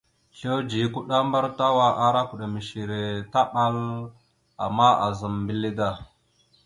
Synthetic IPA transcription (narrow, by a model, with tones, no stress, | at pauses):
ɬo˦d͡ʒi˨ku˦ɗa˦mba˦ɾta˦wa˦ʔa˦ɾa˦ku˨ɗa˨mi˨ʃi˨ɾe˨ta˦ɓa˦l | a̰˨mːa˦a̰˨za˨mbi˦li˦da˦˨